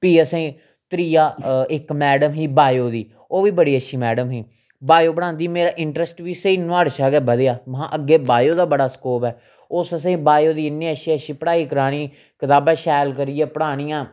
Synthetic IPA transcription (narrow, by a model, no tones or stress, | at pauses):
piːəsẽː | t̪ɾiːjaːɪkmɛːɖəmɦiːbaːjoːd̪iː | oːʋiːbəɽiːətːʃʰiːmɛːɖəmɦiː | baːjoːbəɽ̃ãːnd̪iːmeːɾaːʔɪɳʈɾəsʈʋiːsəiːnʊaːɽʃaːɡɛːbəd̪eːaːmɦãːʔəɡːeːbaːjoːd̪aːbəɽaːskoːpɛː | ʊsəsẽːbaːjoːd̪iːɪnːẽːəʃiəʃiːpəɽaːiːkəɾaːɽ̃iː | kət̪aːbɛ̃ːʃɛːlkəɾiːɛːpəɽaːɽ̃iːãː